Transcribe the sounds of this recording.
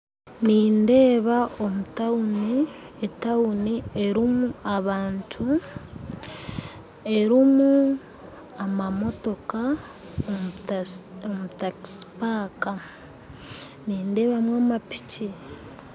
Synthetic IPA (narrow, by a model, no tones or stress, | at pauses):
niːnde̞ːβaomutauni | etaunieɾimuaβaːntʰu | e̞ɾimu | amamo̞to̞ka | omutaki̥si̥paːka | niːnde̞ːβamwaːmapi̥ci